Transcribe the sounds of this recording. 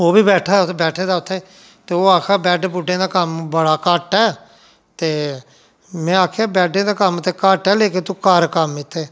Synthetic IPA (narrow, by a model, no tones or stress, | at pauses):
oːbiːbɛːʈʰaːʊt̪ʰebɛːʈʰeːd̪aːʊt̪ʰːeː | t̪eːoːaːkʰaːbɛːɖbʊɖẽːd̪aːkəmbəɽaːkaːʈɛː | t̪eː | mɛ̃ːaːkʰeaːbɛːɖẽːd̪aːkəmt̪eːkaːʈɛːleːkeːt̪uːkaːɾkəmɪt̪ʰːeː